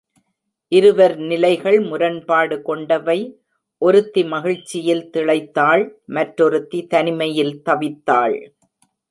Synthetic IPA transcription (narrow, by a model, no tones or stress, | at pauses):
ʔɪɾɯʋɐɾnɪlɐɪɣɐɭmʊɾɐnpaːɽɯkɔɳɖɐʋɐɪ | ʔɔɾɯt̪ːimɐɣɪɻt͡ʃːɪjɪlt̪ɪɭɐɪt̪ːaːɭmɐʈɾɔɾɯt̪ːit̪ɐnɪmɐjɪlt̪ɐʋɪt̪ːaːɭ